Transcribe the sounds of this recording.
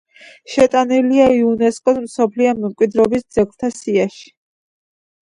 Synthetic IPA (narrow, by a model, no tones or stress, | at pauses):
ʃɛt̪ʼaniliaiunɛskʼɔd̪msɔpʰliɔmɛmkʼwid̪ɾɔbisd̪zɛkt̪ʰasiaʃi̥